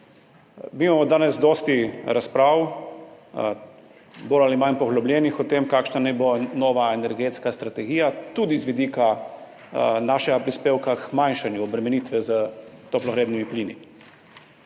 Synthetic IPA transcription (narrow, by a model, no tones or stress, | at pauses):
miːmamɔd̪aːnɛzd̪ɔːst̪iɾaspɾaːw | boːlalimanpɔɣlɔblʲjɛːnixɔt̪eːmkaːkʃnanajbonoːʋaɛnɛɾɡeːt̪skast̪ɾat̪ɛɡiːjat̪ud̪izʋid̪ika | naːʃɛɡapɾispeːwkakmanʃanjuɔbɾɛmɛnit̪ʋɛzət̪oplɔɣɾeːd̪nimipliːnḭ